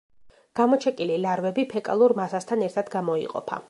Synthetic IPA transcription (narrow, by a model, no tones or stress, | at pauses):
ɡ̥amɔt͡ʃʰɛkʼililaɾvɛbipʰɛkʼa̰lˠuɾmasast̪ʰanɛɾt̪ʰad̪̥ɡamɔḭqʼɔ̰pʰa̰